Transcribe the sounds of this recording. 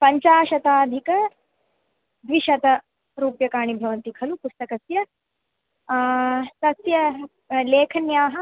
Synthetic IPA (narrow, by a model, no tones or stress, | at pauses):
pɐɲt͡ʃaːʃɐt̪aːd̪ʱikɐ | d̪ʋiʃɐt̪ɐ | ɾuːpjɐkaːɳibʱɐʋɐnt̪ikʰɐlupust̪ɐkɐsjɐ | sɐsjɐ | leːkʰɐnjaːɦɐ̆